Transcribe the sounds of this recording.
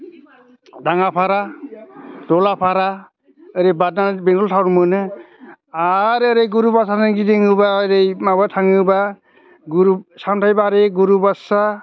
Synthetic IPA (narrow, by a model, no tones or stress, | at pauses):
daŋapʰaɾa | dɔlapʰaɾa | ɯɾejbad̚nabeŋɡɔltʰawɾmɯnɯ | aɾəɾejɡuɾubasanɯnɡideŋɯbaɾejmabatʰaŋɯba | ɡuɾusamtʰajbaɾeɡuɾubasa